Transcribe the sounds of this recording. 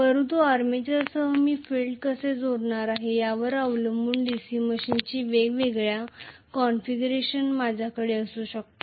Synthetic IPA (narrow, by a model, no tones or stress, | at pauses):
pəɾət̪uaɾmet͡ɕasəɦəmiːfilɖkəsed͡zoɾɳaɾaɦejaʋəɾaʋləmbuːɳɖisiːməɕint͡ɕiːʋeɡʋeɡɭjakɔnfiɡɾeɕənmad͡ʑʱjakəɽeəsuːɕək̚t̪o